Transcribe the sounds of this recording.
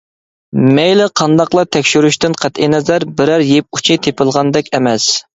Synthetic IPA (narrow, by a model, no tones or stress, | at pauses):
mɛjlɪqʰɑnd̪ɑqlˠɑt̪ʰɛkʲʃyɾyʃt̪ɪnqʰæt̪ʔinɛzæɾbɪɾæɾjep̚u̥t͡ʃʰit̪ʰepɨlˠʁɑnd̪ɛkʲɛmɛs